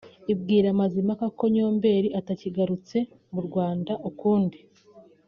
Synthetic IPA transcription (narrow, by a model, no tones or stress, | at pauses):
ib̚ɡiːɾamazimakako̞ɲo̞ːmbe̞ːɾiʔataciɡaɾut͡se̞ | muɾɡwaːndaʔukuːndi